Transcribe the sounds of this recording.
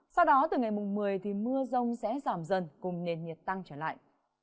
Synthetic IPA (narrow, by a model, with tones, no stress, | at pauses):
sa˧wɗɔ˨˦t̪ɨ˨˩ŋa˨˩jmʊ˨˩ŋ͡mmɨ˨˩əjt̪ʰi˨˩mɨ˧əzə˧wŋ͡msɛ̰˧˥zaː˧˩mzə˨˩nkʊ˨˩ŋ͡mne˨˩nɲi˨˩ət̚t̪a˧ŋt͡ɕəː˧˩la̰ː˧˨jʔ